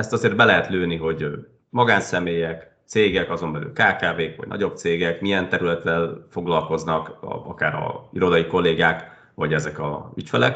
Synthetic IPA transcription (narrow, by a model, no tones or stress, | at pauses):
ɛst̪ɒzeːrd̪bɛlɛɦɛt̪løːniɦo̞ɟ | mɒɡaːnsɛmeːjɛk | t̪seːɡɛkɒzo̞mbɛly̰lkaːkaːveːkʋɒ̰ɟnɒ̰ɟo̞b̚t̪seːɡɛkmijɛnt̪ɛɾylɛt̪ːɛlfo̞ɡlɒlko̞znɒkɒkaːɾɒ̰iɾo̞d̪ɒjiko̞lːeːɡaːk | vɒɟɛzɛkɒ̰ycfɛlɛ̰k